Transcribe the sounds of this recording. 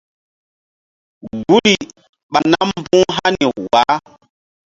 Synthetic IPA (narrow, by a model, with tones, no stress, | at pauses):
ɡu˦li˨ | ɓa˨na˦m˦bũ˦ɦa˦ni˨wa˨˦